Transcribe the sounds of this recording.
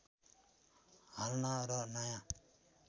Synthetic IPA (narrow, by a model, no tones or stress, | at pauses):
ɦalnaɾʌnajã